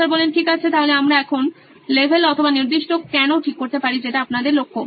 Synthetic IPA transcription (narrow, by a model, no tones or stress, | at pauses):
aɾbɔlenʈʰikat͡ɕʰet̪aɦoleamɾaɛkʰon | lebʱelɔt̪ʰobaniɾd̪iʃʈokɛnoʈʰikːoɾt̪epaɾid͡ʑeʈaapnad̪eɾlokʰːo